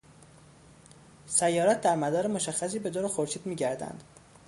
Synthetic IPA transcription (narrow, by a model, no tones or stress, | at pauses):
sæjːɒːɾæt̪̚d̪æɾmæd̪ɒːɾemoʃæxːæs̬iːbe̞d̪oːɾexoɾʃiːd̪miːɟæɾd̪æ̰nd̪̥